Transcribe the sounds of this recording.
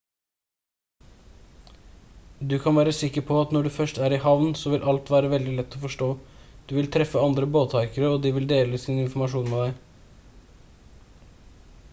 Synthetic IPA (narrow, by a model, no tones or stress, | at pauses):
d̪ʉkʰɑnʋæːɾəsɪkːəɾpʰɔɑt̪nɔɖʉːfœʂʈæːɾɪhɑʋnsɔʋɪlʔɑlt̪ʋæːɾəʋɛld̪ɪlɛt̪ːɔfɔʂʈoːd̪̥ʉːʋɪlt̪ʰɾɛfəɑnd̪ɾəboːt̪ʰɑɪkəɾəɔd̪iːʋɪld̪eːləsiːnɪnfɔmɑʂuːnmeːd̪æɪ